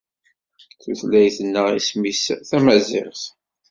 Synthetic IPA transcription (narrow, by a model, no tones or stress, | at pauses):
θuθlæjθənːəʁismisθæmæzɪ̰ʁθ